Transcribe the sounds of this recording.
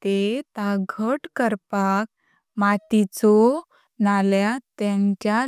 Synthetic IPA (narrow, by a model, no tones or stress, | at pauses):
t̪et̪aɡʱəʈkəɾpak̚ | mat̪it͡sɔ | naljat̪ãɲt͡ɕja